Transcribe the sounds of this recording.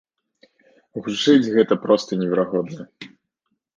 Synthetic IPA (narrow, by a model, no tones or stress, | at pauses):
ɣut͡ʂɨd͡zʲɣɛt̪ɐpɾɔst̪ɐnʲɪvʲɛɾaɣɔd̪nɐ